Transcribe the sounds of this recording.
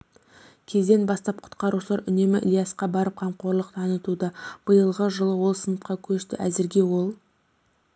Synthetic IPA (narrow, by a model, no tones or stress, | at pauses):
kʲʰe̞zd̪e̞nbɑst̪ɑp̚qʰʊ̥t̪qɑɾuʃəlˠɑɾʔʏne̞mɪ̰ʔlʲijɑsqɑbɑɾəp̚qʰɑmqo̞ɾlˠəq̚t̪ʰɑnət̪ud̪əb̥əjəlˠʁəʒəlˠəwo̞lˠsənət̪qɑkʲʰɵʃt̪ɪ̰ʔæzɪɾɡʲe̞wo̞lˠ